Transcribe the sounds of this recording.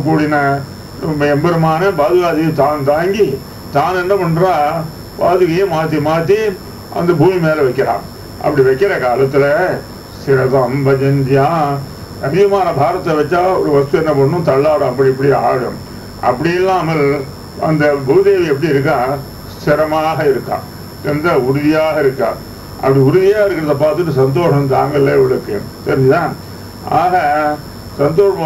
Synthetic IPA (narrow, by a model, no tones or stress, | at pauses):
kːuːɽɪnɐ | nɐmːɐɛmbɐɾɯmaːnɐbaːðɯɣaːðit̪aːnt̪aːŋɡi | t̪aːnɛnːɐpɐɳːɾaː | baːðɯɣɐjemaːt̪ːimaːt̪ːi | ʔɐ̰nd̪ɐbʱuːmimeːlɐʋɛɪkːɪɾã̰ːm | ʔɐ̰pːɐɽiʋɛɪkːɪɾɐkaːlɐt̪ːɪlɐ | sɪɾɐsɐmbɐd͡ʒɐɲd͡ʒɪjãː | ɐɾɪɣɐmaːnɐbʱaːɾɐt̪ːɯɐʋɛt͡ʃːaːɔ̰ɾɯʋɐst̪ɯɛnːɐpɐɳːɯ̃t̪ɐɭːaːɽɐ̃ɐpːɐɽiɛpːɐɽɪa̰ːɣɐ̰m | ʔɐ̰pːɐɽɪjɛlːaːmɐl | ɐ̰nd̪ɐbud̪eːʋiɛpːɐɽiɪɾɯk̬ːãː | sɪɾɐmaːɣɐɪɾɯkːã̰ː | sɛnd̪ɐʊɾʊðɪjaːɣɐɪɾɯkːã̰ː | ʔɐ̰pːɐɽiʊɾʊðɪjaːɣɐɪɾɯkːɪɾɐðɐp̬aːɾt̪ːɯʈːɯsɐnd̪oːʂɐnt̪aːŋɡɐɪlːɐɛʋɐɭɯkːɯ | sɛɾɪɲd͡ʒɐt̪ãː | aːɣɐ | sɐnd̪oːʂɐ̃